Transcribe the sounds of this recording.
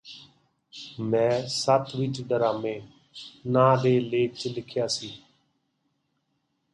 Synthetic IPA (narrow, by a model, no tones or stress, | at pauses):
mɛ̃ːsət̪ʰʋɪt͡ʃɖəɾaːmẽː | nãːɗeːleːt͡ʃlɪkʰjaːsiː